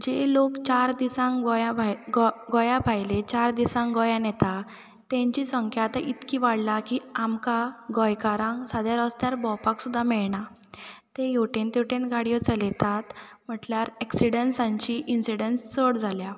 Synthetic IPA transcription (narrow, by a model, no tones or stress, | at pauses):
d͡ʑelokt͡ɕaɾd̪isãŋɡɔjabʱaɡɡɔjabʱajlet͡ɕaɾd̪isãŋɡɔjanɛt̪a | t̪ɛ̃ɲt͡ɕisəŋkʰjat̪aʔit̪kiʋaɽlakiamkaɡɔjkaɾãŋksad̪jaɾəst̪jaɾbɔpaksud̪ʱːamɛɭɳa | t̪ejoʈent̪jeʈẽnɡaɽijɔt͡səlɛt̪at̪m̤əʈljaɾɛksiɽensãɲt͡ɕiʔinsiɽenst͡səɽd͡zʱalja